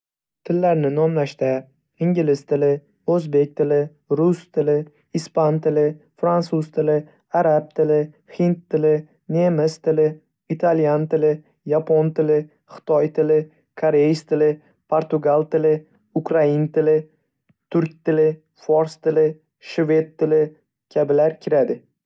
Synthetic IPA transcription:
t̪ʰɪlːaɾnɪnɒmlaʃt̪a | ɪŋɡʲɪlɪst̪ʰɪlɪ | ɵzbe̞k̚ʲt̪ʰɪlɪ | ɾʊst̪ʰɪlɪ | ispant̪ʰɪlɪ | fɾansuzt̪ʰɪlɪ | aɾab̚t̪ʰɪlɪ | hɪnt̪ːɪlɪ | nemɪst̪ʰɪlɪ | it̪ʰaljant̪ɪlɪ | japʰont̪ʰɪlɪ | χɪ̥t̪ʰɒjt̪ʰɪlɪ | kʰoɾejst̪ʰɪlɪ | pʰoɾt̪ʊɡalˠt̪ɪlɪ | ʊkɾaint̪ʰɪlɪ | t̪ʰʊɾk̚ʲt̪ʰɪlɪ | foɾst̪ɪlɪ | ʃve̞d̪̚ʰːɪlɪ | kʲʰabɪlaɾkʲʰɪɾad̪ɪ

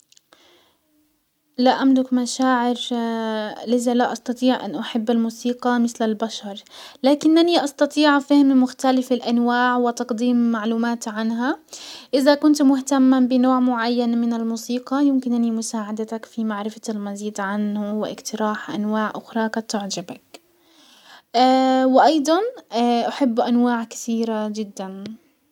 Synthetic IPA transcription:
laʔamlʊkmaʃaːʕɪɾ | lɪzalaʔɑsˤt̪ɑt̪ˤiːʕʔa̰nʔaħabːalmuːsiːqɑmɪθlɪlbaʃɑɾˤlaːkɪnʔaniʔɑsˤt̪ɑt̪ˤiːʕfahmmʊxt̪alɪfɪlʔanwaːʕwɪt̪ɑqd̪iːmːaʕluːmaːt̪ʕanɦaʔɪðakʊnt̪mʊht̪amːambɪnoːʕmʊʕajːanmɪnɪlmuːsiːqɑjɪmkɪnʔanimʊsaːʕad̪at̪akfimaʕɾɪfalmaziːd̪ʕanhʊwɪʔɪ̰qt̪ɪɾaːħʔa̰nwaːʕʔʊxɾˤɑkat̪ːʊʕd͡ʒabak | awɪʔɑjd̪ˤɑnaʔaħɪbːʔanwaːʕkḁθiːɾad͡ʒɪd̪ːan

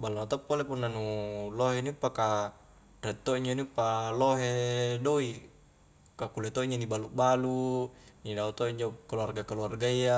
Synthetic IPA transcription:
baluat̪opːolepunːanuloɦenipːaka | rɛt̪ːoiɲd͡ʒonipːaloɦedoi | kakulet̪oiɲd͡ʒonibaluʔbalunidaot̪oiɲd͡ʒokaluarɡakaluarɡaia

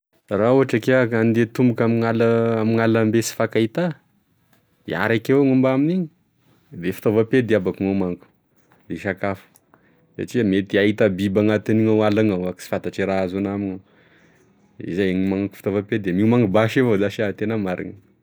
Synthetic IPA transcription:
rauɦaʈ͡ʂakeakand̪et̪umbukamiŋalaamiŋalambesi̥fakait̪a | ḭa̰ɾakewŋumbaminiɲi | d̪efi̥t̪ovaped̪eabakuŋamaŋku̥ | d̪eʃakafu̥ | sa̰ʈ͡ʂimet̪iait̪abibaŋat̪iniŋawalaŋawaki̥si̥fant̪aʈ͡ʂiɾaazonamina | ḭzajeŋimaŋku̥fi̥t̪ovaped̪emimaŋɡubaʃevod̪aʃiat̪enamaɾḭŋa

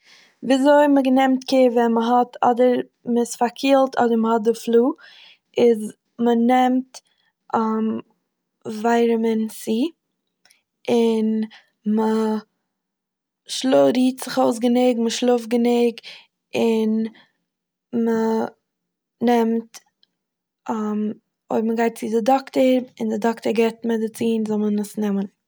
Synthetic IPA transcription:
viːzoɪməɡənɛmtkʰeːvɛnməɦɔtʰɔ̰dəɾ | məɪsfaɾkʰiːlˠtʰɔ̰dəɾməhɔt̚dɪflˠuː | ɪz | mənɛmt | am | vaɪɾəmɛnsiː | ɪn | mə | ʃlˠoɾiːtz̥ɪχoʊs̬ɡənɪɡməʃlˠʊfɡənɪɡ | ɪn | mə | nɛmt | am | o̰ɪbməɡaɪt̚t͡sɪdɪdɔktəɾɪndɪdɔktəɾɡɛɪtmɛdɪt͡siːnzɔlˠmənməsnɛmən

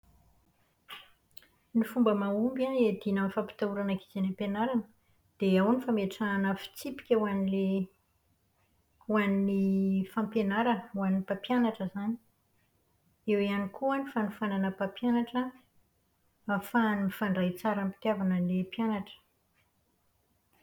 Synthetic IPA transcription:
nifumbəmaumbaned̪inəmifapi̥t̪auɾanaki̥zenampenaɾanə | d̪̥eawnifameʈ͡ʂaːnəfi̥t͡sipi̥kʲawanile | waninifãmpenaɾəwaninipapjanaʈ͡ʂəzani | ewianikʰuənifanifananəpapjanaʈ͡ʂə | fanmifaɳɖ͡ʐajt͡saɾampi̥t̪javanəlepjanaʈ͡ʂə̥

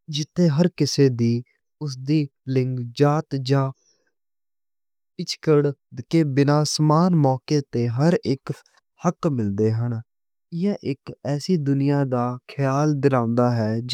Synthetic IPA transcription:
d͡ʒɪt̪ʰːeːɦəɾkɪseːd̪iː | ʊs̬d̪iːlɪ̃ŋɡd͡ʒaːt̪d͡ʒãː | ɪt͡ʃkəɽd̪keːbɪnaːsmaːnmɔːkeːt̪eːɦəɾɪk | həkmɪld̪eːɦən | ɪjãːʔɪkɛːsiːd̪ʊnɪjaːd̪aːkʰɪjaːld̪ɪɾãːʊ̃nd̪aːɦɛː

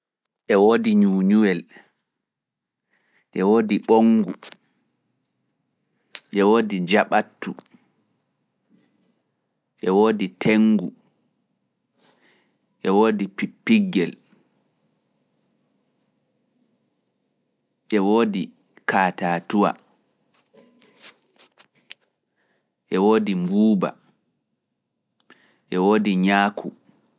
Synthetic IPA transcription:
ʔɛwoːdiɲuːɲuwɛl | ʔɛwoːdiɓoŋɡu | ʔɛwoːdid͡ʒaɓatːu | ʔɛwoːditʰeŋːɡu | ʔɛwoːdipipːiɡːɛl | ʔɛwoːdi | kʰaːtaːtuwa̰ | ʔɛwoːdimbuːba̰ | ʔɛwoːdiɲaːkʰu

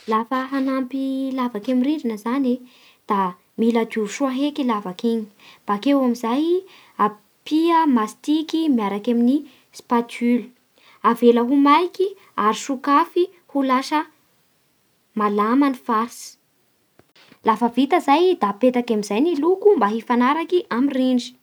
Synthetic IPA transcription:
lafəɦanampilavakamiɾiɾinəzane | d̪̥a | milad̪uʃuaɦekilavakeɲi̥b̥akewamizaj | a | piəmast̪ikimjaɾakamini | spatylə̥ | aveləɦumajki | aɾiʃukafi | hulaʃə | malamanifaɾsi̥ | lafəvit̪əzajd̪apet̪akamizajnilukumbaɦifanaɾakiʔamiriɳɖ͡ʐi̥

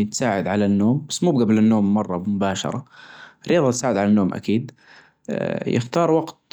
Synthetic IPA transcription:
t̪saːʕɪd̪ʕalanːoːmbasːmuːbɡablɪnːoːmːɑrˤːɑmʊbaːʃɑ̰ɾˤɑɪrːɪjɑːðˤɑt̪saːʕɪd̪ʕalanːoːmʔa̰kiːd̪ | jɪ̰xt̪ɑːɾˤwɑɡt̪

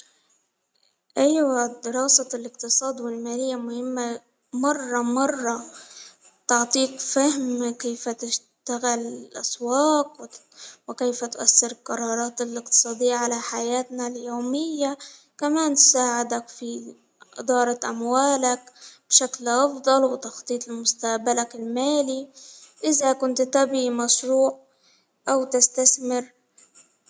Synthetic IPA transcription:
ʔajwad̪ɪɾɑːsɑlɪqt̪ɨsˤɑːd̪wɪlmaːlɪjːamʊhɪmːa | mɑrˤːɑmɑrˤːɑ | t̪ɑʕt̪ˤiːkfahmkejfat̪ɪʃ | t̪aɣɪlɪlʔa̰swɑːqw | wɪkejfat̪ʊʔasːɪɾlqɑɾˤɑːɾˤɑːt̪ɪlʔɪq̚t̪ɨ̥sˤɑːd̪ɪjːaʕalaħajaːt̪naljoːmɪjːa | kamaːnt̪ʊ̥saːʕɪd̪akfi | ʔɪ̰d̪ˤɑːɾˤɑʔamwaːlakb̥ʃaklʔɑfd̪ˤɑlwɪt̪ɑxt̪ˤiːt̪ˤɪlmʊst̪aʔbalakɪlmaːliʔɪðakʊnt̪t̪abimɑʃɾuːʕ | ʔawt̪ɪst̪aθmɪɾ

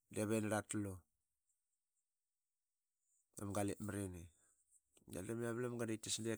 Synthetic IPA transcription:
deβenɾatlo | a̰mɡaliʔmaɾini | ɡa̰demiaβlamɡanajtasnde

